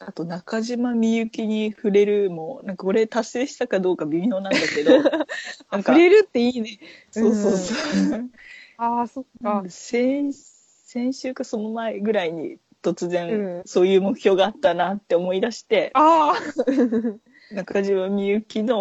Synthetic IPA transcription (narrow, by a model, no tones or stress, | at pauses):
at̪o̞nakaʑimamʲiɯ̟kʲiɲ̟iɸɯ̟ɾe̞ɾɯ̟mo̞nãŋkao̞ɾe̞t̪asːe̞ːɕi̥t̪akad̪o̞ːkabʲimʲio̞ːnãnd̪ake̞d̪onãŋɸkaɯ̟ɾe̞ɾɯ̟t̪ːe̞iːneso̞ːsoːso | asoasẽ | sẽ̞ɰ̃ɕɨːkaso̞no̞mae̞ɡɯ̟ɾaiɲ̟ḭ | t̪o̞t͡sɨzẽ̞nso̞ːjɯ̟ːmokɯ̟̥çʲjo̞ːɡaːt̪ːanat̪ːeomo̞id̪aɕi̥t̪e̞a | nakaʑimamʲijɯ̟kʲino̞